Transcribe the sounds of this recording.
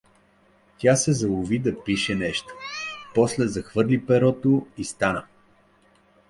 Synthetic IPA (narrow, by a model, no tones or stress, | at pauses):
t̪ʲasɛzɐlˠʊvid̪ɐpiʃɛnɛʃt̪o̥pɔslɛzɐxvɤɾlipɛɾɔt̪oist̪anə